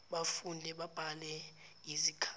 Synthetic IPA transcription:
ɓafundʱɛɓab̥ʱalɛizikʰa

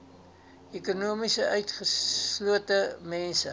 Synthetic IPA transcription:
ekunuəmisəʔœɥtχəluətəmɛnsə

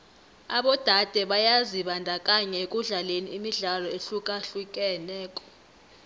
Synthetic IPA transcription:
aɓɔd̥ʱad̥ʱɛɓajaziɓandʱakʼaɲɛk̬ʼuɮaleniimiɮalɔeɬukʼaɬuk̬ʼɛnɛːkʼɔ̥

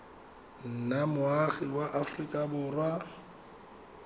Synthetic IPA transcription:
n̩namʊaɣiwaʔafrikʼabʊːrwa

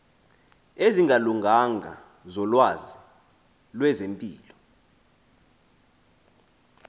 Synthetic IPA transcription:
eziŋʱaluŋʱaŋʱa̰ | zɔlwazi | lwɛzempʼiːlɔ

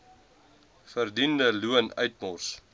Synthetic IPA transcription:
fərdindəluənœɥtmɔrs

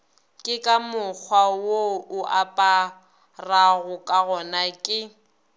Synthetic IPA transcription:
kʼɪkʼamʊk͡xʰwawoʊʔapʼa | raɣʊkʼaɣɔnakʼɪ

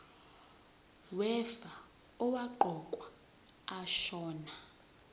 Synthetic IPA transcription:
wɛfa | ɔwaǃɔkʼwaː | ʃɔːna

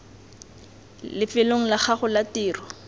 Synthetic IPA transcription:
lɪfɪloŋ̩lak͡xʰaχʊlatiːrɔ

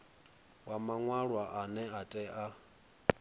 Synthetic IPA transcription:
wamaŋwaɺwaʔanɛatʼɛʔa

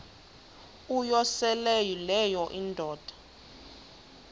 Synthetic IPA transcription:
ujɔsɛlɛjilɛjɔʔindʱɔːd̥ʱḁ

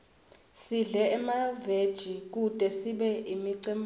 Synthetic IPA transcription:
siɮɛːmaved̥ʒ̥ʱik̬utʼɛsiɓɛʔimiǀim

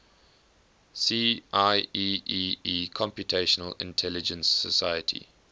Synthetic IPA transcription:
siːʔaɪiːiːiːkʰɔ̃mpjutʰeʃənəlɪ̰̃ntʰɛlɪd͡ʒə̃nsəsaɪjətʰḭ

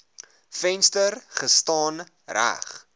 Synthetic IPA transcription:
fɛnstərχəstɑːn | ræ̰χ

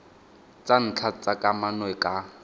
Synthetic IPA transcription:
t͡sʼan̩t͡ɬʰat͡sʼakʼamanwɛkʼa

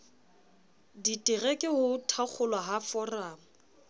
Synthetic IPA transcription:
ditʼɪrɛkʼɪhʊtʰak͡xʰʊlwaɦafɔraːmʊ

